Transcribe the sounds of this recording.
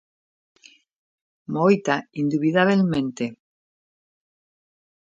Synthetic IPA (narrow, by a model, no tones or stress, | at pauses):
mojt̪aind̪uβiðaβelmẽnt̪e